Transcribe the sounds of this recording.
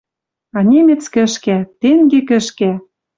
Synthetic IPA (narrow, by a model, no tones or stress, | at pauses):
ɑnʲemʲĕt͡skɘ̆ʃkæt̪eŋɡekɘ̆ʃkæ